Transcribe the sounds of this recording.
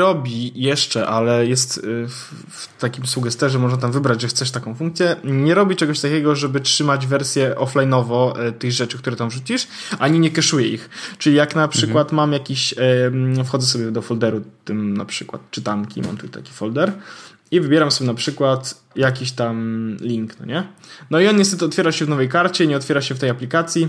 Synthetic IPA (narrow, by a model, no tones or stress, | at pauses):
ɾɔbʲijɛʂt͡ʂɛʔalɛjɛst̪f | ft̪akʲimsuɡɛst̪ɛʐɛmɔʐnat̪amvɘbɾad͡ʑʐɛxt̪sɛʂt̪akɔ̃w̃fuŋk̚t̪sʲjɛɲɛɾɔbʲit͡ʂɛɡɔɕt̪akʲɛɡɔʐɛbɘtʂɘmad͡ʑvɛɾsʲjɛʔɔflajnɔvɔt̪ɘɣʐɛt͡ʂɘkt̪uɾɛt̪amvʐut͡ɕiʂaɲiɲɛkʲɛʂujɛixt͡ʂɘlʲijaknapʂʂɘkwat̪mamjakʲiɕ | fxɔd̪zɛsɔbʲjɛd̪ɔfɔld̪ɛɾut̪ɘmna̰pʂɘkwa̰t̪̚t͡ʂɘt̪aŋkʲḭma̰mt̪ut̪a̰kʲi̥fɔld̪ɛɾ | ivɘbjɛɾamsɔbʲɛnapʂɘkwat̪ | jakʲiɕt̪amlʲiŋknɔ̰ɲɛnɔiɔnɲɛst̪ɛt̪ɘɔt̪fʲjɛɾaɕɛvnɔvɛjkaɾt͡ɕɛɲɛɔt̪fʲjɛɾaɕɛft̪ɛjaplʲikat̪sʲji